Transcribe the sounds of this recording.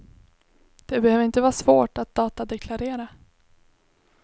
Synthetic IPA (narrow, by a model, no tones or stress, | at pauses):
d̪̥ɛbɛhøːvɾɪnt̪əvɑːsvoːʈat̪̚d̪̥ɑːt̪ad̪ɛkʰlaɾeːɾa